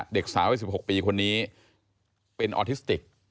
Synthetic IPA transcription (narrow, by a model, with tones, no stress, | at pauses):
de˨˩k̚saː˩˦mʔi˨˩si˩p̚ho˨˩k̚piː˧kʰo˧nːiː˦˥ | pe˧nʔɔ̰ː˧t̪ʰi˦˥st̪i˨˩k̚